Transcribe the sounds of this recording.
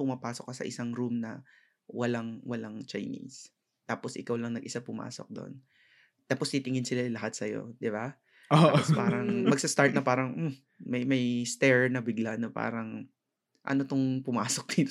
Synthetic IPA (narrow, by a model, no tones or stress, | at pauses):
pʊmɐpaːsok̚ːɐsɐ̰ʔɪsaŋɾumnɐ | wɐlaŋwɐlaŋt͡ʃɐjnḭs | t̪aːposʔɪkawlɐŋnɐɡʔɪsapʊma̰ːso̰k̚d̪o̰n | t̪aːpost̪it̪ɪŋɪnsɪlajlɐhat̪̚sɐjo̞̰d̪ɪba | spaːɾɐŋmɐɡ̚sɐst̪aɹt̪nɐpaːɾɐŋm̩ | mɐjmɐjst̪ɛɹnɐbɪɡlanopa̰ːɾɐŋ | ʔɐ̰not̪oŋpʊmaːsok̚d̪̥it̪